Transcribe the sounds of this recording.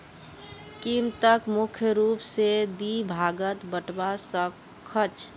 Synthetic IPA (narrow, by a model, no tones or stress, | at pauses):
kimt̪əkmukʰjəɾupsed̪ibʱaɡət̪bəʈbasək | kʰːət͡ʃ